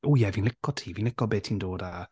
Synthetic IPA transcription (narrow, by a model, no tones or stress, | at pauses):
ujɛviːnlɪkʰɔ̥tʰiːviːnlɪkɔbeːtʰiːndoːda